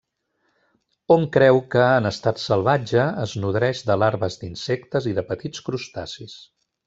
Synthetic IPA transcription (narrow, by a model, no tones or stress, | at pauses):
omkɾɛwkəːnəst̪at̪səlˠβad͡ʒəəznuðɾɛʃd̪əlaɾβəzd̪insɛkt̪əziðəpət̪it͡skɾust̪asis